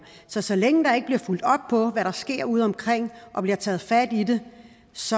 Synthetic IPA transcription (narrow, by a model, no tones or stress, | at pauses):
sɒ̽sɒ̽leŋəd̥ɑ̈e̝ɡ̥əb̥liɐful̰d̥ɒ̽b̥̚pʰɒ̽ʋæɾɑ̈sɡ̥e̝ɐ̰uð̞̰ˠɒ̽mkʰʁeŋ̰ʔɒ̽b̥liɐt͡sʰɛːð̩ˠfæd̥id̥e̝ | sɒ̽